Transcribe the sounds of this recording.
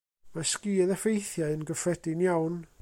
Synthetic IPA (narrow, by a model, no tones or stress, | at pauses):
maskiːðəfejθjaɨənɡəfrɛdɪnjawn